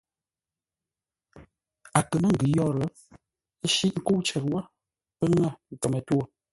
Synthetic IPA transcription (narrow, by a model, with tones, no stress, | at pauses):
a˨kə˨mə˦ŋ̩˨ɡʉ˨jɔ˦˨ɾə˨˦ | ʃi˦ʔ̚ŋ̩˦˨ko˦t͡ʃɛ˨ɾwa˦ | pə˦ŋə˦˨ŋ̩˨kə˨mə˨two˦